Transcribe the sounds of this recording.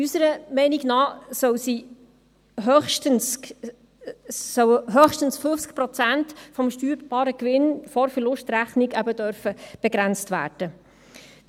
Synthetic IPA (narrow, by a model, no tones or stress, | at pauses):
ysəɾəmɛɪniɡnɑːsœwsi | ɦœχʃtəns | sœwɦœχʃtənsføft͡sk̚pɾɔt͡sæntfɔmʃtyːɾb̥ɑːɾəkʋɪnfɔɾfəɾlʊʃtɾæχnɪkæbədœɾfəb̥ɛɡɾænt͡stvæ̰ːrd̥ə